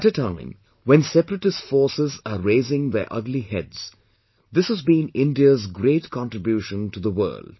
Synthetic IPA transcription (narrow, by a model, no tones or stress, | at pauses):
æʈətʰãɪ̃m | wɛ̃nsɛpɾəʈɨsfɔːɹsɪzəɾeɪzɪ̃ŋðə̰ʔʌ̰ɡlihɛ̰dz̥ | d̪ɪshəzbĩːnɪ̃ndiəzɡɾeɪtkʰɑ̃nʈɹɨbjuʃə̃ntuðəwɜ̰ːld̥